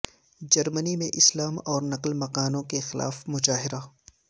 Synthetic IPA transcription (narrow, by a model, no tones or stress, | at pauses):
d͡ʒɐɾmənimẽʔɪslaːmɔːɾnɐqlmɐqaːnõkexɪlʔa̰ːfmʊd͡ʒaːɦɪɾa